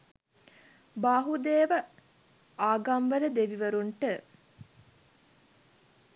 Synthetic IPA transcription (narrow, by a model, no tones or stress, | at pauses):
baːɦud̪eːʋə | aːɡamʋələd̪eʋiʋəɾuɳʈə